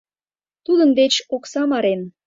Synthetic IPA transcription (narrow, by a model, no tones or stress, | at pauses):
t̪ud̪ənd̪et͡ɕoksɑmɑɾen